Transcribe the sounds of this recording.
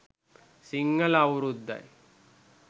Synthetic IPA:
siŋɡɐlawɾud̪ːa̰j

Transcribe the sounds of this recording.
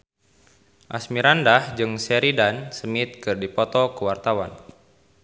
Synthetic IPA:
ʔa̰smiɾandahd͡ʒɨŋsɛɾidansəmit̪̚kɨrdipɔt̪ɔkəwart̪awan

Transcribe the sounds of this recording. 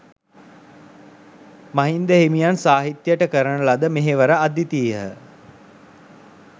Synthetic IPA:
maɦind̪əɦeimijansaːɦit̪jəʈəkəɾənəlad̪əmeɦeʋəɾəad̪it̪iːɦə

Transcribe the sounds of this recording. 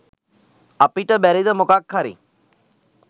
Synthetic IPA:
ɐpiʈəbɛɾid̪əmʊkakʰːaɾḭ

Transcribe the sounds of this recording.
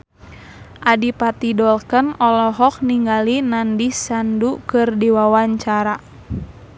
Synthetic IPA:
ʔadipat̪idɔlkənɔlɔɦɔk̚niŋɡalinandisandukɨrdiwawaɲt͡ʃaɾa

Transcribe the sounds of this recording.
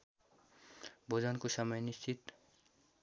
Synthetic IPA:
bʱod͡zankosʌmʌjnist͡sʰit̪

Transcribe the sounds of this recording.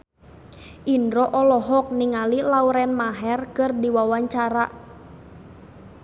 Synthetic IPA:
ʔindɾɔʔɔlɔɦɔk̚niŋalilauɾɛnmaɦɛrkɨrdiwawaɲt͡ʃaɾa

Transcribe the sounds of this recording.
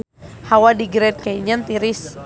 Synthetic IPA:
hawadiɡɾɛt̪̚kaiɲənt̪iɾis

